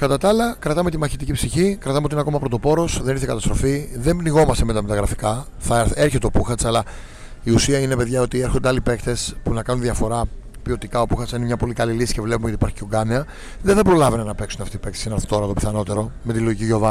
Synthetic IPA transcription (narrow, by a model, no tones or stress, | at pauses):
kɐt̪ɐt̪ɐlɐkɾɐt̪ɐme̞t̪imɐçit̪icipsiçikɾɐt̪ɐmeoinɐko̞mɐpɾo̞t̪o̞po̞ɾo̞sðe̞niɾθekɐt̪ɐst̪ɾo̞fiðe̞mbniɣo̞mɐst̪emet̪ɐmet̪ɐɣɾɐfi̥kɐ | θɐeɾçet̪eopuxɐt͡sɐlɐ | iusiɐine̞pe̞ðʝɐo̞t̪ieɾxo̞nd̪eɐlipe̞kt̪e̞spunɐkɐnunðiɐfo̞ɾɐ | pio̞t̪ikɐo̞puxɐt͡sinemɲɐpo̞likɐlilisi̥cevle̞pumeot̪ipɐɾçi̥ceoɡɐneɐ | ðeθɐpɾo̞lɐvenɐnɐpe̞ksuneɐft̪ipe̞kt̪esinɐɾθi̥t̪o̞ɾɐðo̞pi̥θɐno̞t̪e̞ɾo̞me̞t̪iloʝiciʝo̞vɐ